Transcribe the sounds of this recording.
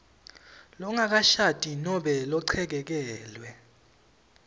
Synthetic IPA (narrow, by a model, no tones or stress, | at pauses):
lɔŋak̬aʃatʼinɔɓɛlɔǀʰɛk̬ɛk̬ɛːlwɛ